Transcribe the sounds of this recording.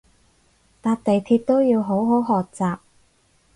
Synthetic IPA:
t̪aː˧t̚t̪e˨jt̪ʰiː˧t̚t̪o˥wjiː˧wɦo˨˥wɦo˨˥wɦɔː˨k̚t͡saː˨p̚

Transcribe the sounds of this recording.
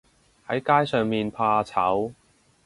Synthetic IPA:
hɐ˨˥jkaː˥jsœː˨˧ŋmiː˨npʰaː˧t͡sʰɐ̰˨˥w

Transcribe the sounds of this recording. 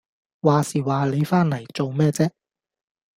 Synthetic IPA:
waː˨˩siː˨waː˨le˨˧jfaː˥nlɐ˨˩jt͡so˨wmɛː˥t͡sɛː˥

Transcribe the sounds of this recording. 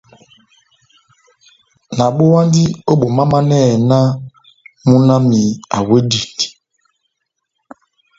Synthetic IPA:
na˨ɓo˦wa˦ndi˦o˦ɓo˨ma˦ma˦nɛ˦˨na˦ | mu˦na˦mi˨a̰˨we˦di˨t

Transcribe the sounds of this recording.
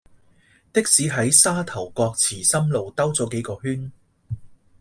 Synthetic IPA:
t̪ɪ˥k̚siː˨˥ɦɐ˨˥jsaː˥t̪ʰɐ˨˩wkɔː˧k̚t͡sʰiː˨˩sɐ˥mlo˨wt̪ɐ˥wt͡sɔː˨˥ke˨˥jkɔː˧ɦyː˥n

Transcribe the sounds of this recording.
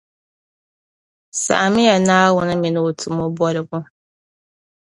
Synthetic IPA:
sa̰˨ʔa˨mɪ˦ja˨naː˦wʊ˦nɪ˦mɪ̃˨nɪ˦o˨tʰu˨mɔ˦bɔ˦ɾɪ˨bʊ˦

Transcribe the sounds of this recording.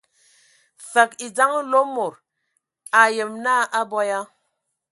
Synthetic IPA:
fə˨ki˨d͡za˦ŋ˦lo˦mo˨ɾ | a˨jə˨mna˦ʔa˦bɔ˦ja˦

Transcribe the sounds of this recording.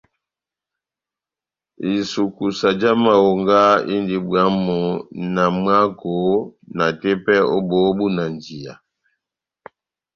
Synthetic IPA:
i˨su˨ku˨sa˨d͡ʒa˦ma˨wo˨ŋɡa˦ḭ˦ndi˨bwa˨˦mɔ˨na˨mwa˦ko˨˦na˨tɛ˦pɛ˦o˦bɔ˨˦bu˦na˨nd͡ʒi˨a̰˨

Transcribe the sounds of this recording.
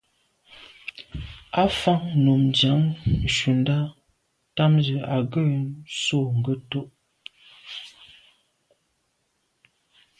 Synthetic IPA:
a˦fa˦ŋno˨md͡ʒja˨˦ŋ˨ʃu˨n˦da˦ | ta˦mzə˨a˨ɡə˦˨so˦˨ŋ̩˨ɡə˦to˦ʔ

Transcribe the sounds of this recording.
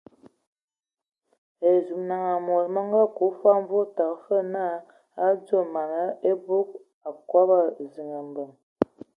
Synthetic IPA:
e˨zu˨mna˨ŋa˨mo˨ɾmə˦ŋ˦ɡa˦ku˨˦fa˦m˦vo˦ta˨kfə˦na˦˨ | a˦d͡zo˦˨ma˨nə˦e˦bu˦k̚ | a˨kwa˦ba˦zi˨ŋə˨mbə˨ŋ

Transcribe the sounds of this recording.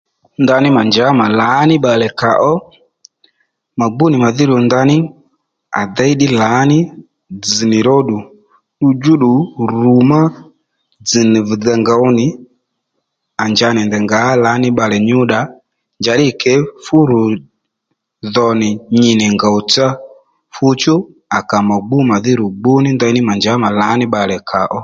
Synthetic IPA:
nda˧nɪ˦ma˨nd͡ʒa˨˦ma˨la˨˦nɪ˦ɓa˨lɛ˨ka˨ʔɔ˦ | ma˨ɡ͡bu˦nɪ˨ma˨ðɪ˦ɾu˨nda˧nɪ˦ | a̰˨da˦i˦ɗɪ˦la˨˦nɪ˦ | d͡zɨ˨nɪ˨ɾɔ˦ɗu˨ | ɗu˧d͡ʒu˦ɗu˨ɾu˨ma˦ | d͡zɨ˨ni˨vd͡za˧ŋɡa˨u˦nɪ˨ | a˨nd͡ʒa˧˦nɛ˨ndɛ˨ŋɡa˨˦la˨˦nɪ˦ɓa˧lɛ˨ɲu˦ɗa˨˦ | nd͡ʒa˨ɗɪ˦˨kɛ˨˦fu˦ɾu˨ | ðɔ˨nɪ˨ɲi˨nɛ˨ŋɡa˨u˨t͡sa˦ | fu˦t͡ʃu˦ | a˨ka˨ma˨ɡ͡bu˦ma˨ði˦ɾu˨ɡ͡bu˦nɪ˦ndi˦nɪ˦ma˨nd͡ʒa˨˦ma˨la˨˦nɪ˦ɓa˨lɛ˨kʰa˨ʔɔ˦

